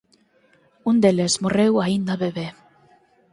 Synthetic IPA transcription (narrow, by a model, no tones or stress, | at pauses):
und̪elezmorewaind̪aβeβe